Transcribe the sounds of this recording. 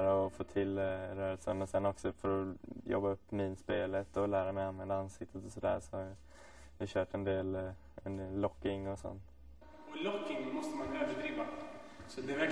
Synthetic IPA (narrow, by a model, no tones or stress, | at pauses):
ɾaɔfoːt̪ʰɪlɾœːɾəlsə̰nɔsɛnːɔksɔfœɾɔjɔ̰bːaɵpːmiːnspeːlət̪ɔlæːɾamɛjanvɛnd̪aansɪk̚t̪ʰːət̪ɔsɔd̪æ̰ːɾsɔ | jɑhɕœːʈɛnd̪eːl | ɛnd̪eːlːɔkːɪŋɔsɔ̰nt̪ | ɔlɔkːɪŋmɔst̪əmanvɛːd̪ɾəd̪ɾiːvasɔd̪ɛvɛ